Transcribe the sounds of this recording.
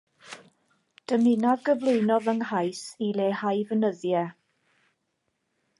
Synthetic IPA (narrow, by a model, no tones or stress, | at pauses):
d̥əmɪnavɡəvlˠʊɨnɔðəŋɦajsileːhajvənəðjɛ